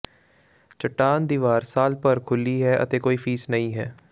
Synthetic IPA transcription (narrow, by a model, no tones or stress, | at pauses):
t͡ʃəʈːaːnd̪iːʋaːɾsaːlpəɾkʰʊliːɦɛːʔə̰t̪eːkoːiːpʰiːsnəĩːɦɛ̰ː